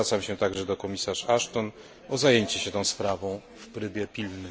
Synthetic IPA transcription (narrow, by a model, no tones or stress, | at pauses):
at̪samɕɛt̪aɡʐɛd̪ɔkɔmʲisaʂaʂt̪ɔn | ɔzajeɲt͡ɕɛɕɛt̪ɔ̃w̃spɾavɔ̃w̃ | fpɾɘbʲjɛpʲilnɘ